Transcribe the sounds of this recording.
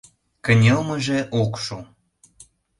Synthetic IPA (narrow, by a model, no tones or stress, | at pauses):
kə̆nʲelməʒeʔokʃu